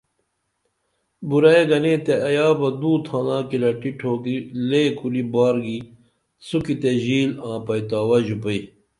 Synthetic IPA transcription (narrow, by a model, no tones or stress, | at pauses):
buɾɐeɡɐnet̪eɐjaːbɐd̪uːt̪ʰãːnãːkilɐʈiʈʰoːɡileːkulibaːɾɡi | sukit̪eʑiːlãːpɐjt̪aːwɐʑupɐi